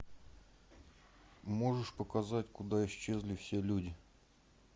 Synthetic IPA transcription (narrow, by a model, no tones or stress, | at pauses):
mo̞ʐɨʂpəkɐzatʲkʊd̪aɪɕt͡ɕːe̞zʲlʲɪfsʲe̞lʲudʲɪ